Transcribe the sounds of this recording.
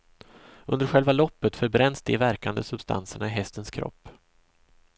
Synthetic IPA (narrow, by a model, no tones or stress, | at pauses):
ɵnd̪əɾɧɛlvalɔpːət̪fœɾbɾɛnsd̪ɪvæɾkand̪əsɵbst̪ʰa̰nsəɳaɪɦɛst̪ənskʰɾɔ̰pː